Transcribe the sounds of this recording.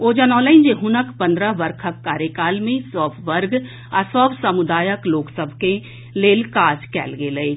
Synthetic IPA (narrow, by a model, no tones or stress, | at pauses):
oːd͡ʒənɔːləɪnd͡ʒeɦʊnəkpə̃nd̪ɾəʋəɾkʰəkːaːɾjəkaːlmẽsɔːbʰʋəɾɡ | asəbsəmʊd̪aːjəkloːksəbʱkẽ | leːlkaːd͡ʒkɛ̰ːlɡeːləe